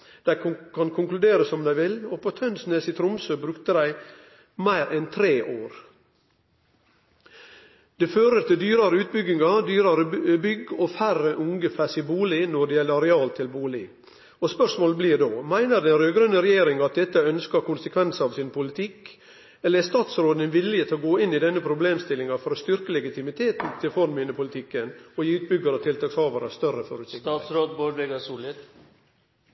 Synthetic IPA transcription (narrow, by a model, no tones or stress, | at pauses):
d̪̥æɪkʰɑnkʰʊŋklʉd̪eːɾəsɔmd̪æɪʋɪlopʰot̪ʰœnsneːsɪt̪ʰɾʊmsøːbɾʉkt̪əd̪æɪ | mæɪɾʔɛnt̪ʰɾeːʔoːɾ | d̪̥ɛføːɾəɾt̪ɪd̪yːɾɑɾəʉːt̪̚bʏɡɪŋɑd̪yːɾɑɾəbʏɡɔfæɾəʔʊŋɡəfæsɪbuːlɪnɔɖ̪ɛjɛlːəɾɛɑːlt̪ʰɪlbuːlɪ̰ | ɔspœʂmoːləbliːɾd̪oːmæɪnəɾd̪ɛnɾøːɡɾœnːəɾɛjeːɾɪŋɑt̪̚d̪ɛt̪ːəœnskəɾkʊnsəkʰʋɛnsɑʋsɪnpʰʊlɪt̪ʰɪkː | ɛləɾɛst̪ɑːt̪sɾoːd̪ɛnʋɪlːɪət̪ʰɪlɔɡoːɪnːɪd̪ɛnːəpʰɾʊbleːmst̪ɪlːɪŋɑfɔɾɔst̪ʏɾkəlɛɡɪt̪ɪmɪt̪ʰeːt̪n̩t̪ʰɪlfɔɾmɪːnəpʰʊlɪt̪ʰɪkːənɔjiːʉːt̪̚bʏɡɑɾət̪ʰɪlt̪ʰɑːkshɑːʋɑɾəst̪œrəfɔ̰ɾʉːsɪk̪ɑːsɾoːd̪boɾʋeɡɑsuːlɪt̪